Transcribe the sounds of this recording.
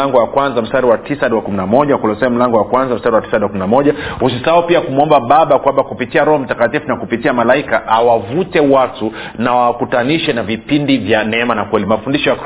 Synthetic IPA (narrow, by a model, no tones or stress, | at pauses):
aŋɡɔwakwanzam̩staɾiwatisaaɗiwakuminamɔʄakulɔsɛam̩laŋɡɔwakwanzam̩staɾiwati̥sadiwakuminamɔʄahusisaupiakumuɔmbaɓaɓakwambakupitiaɾɔhɔm̩takatifunakupitiamalaikaʔawavutɛwatu | nawawkutaniʃɛnavipindivjanɛɛmanakwɛlimafundiʃɔjak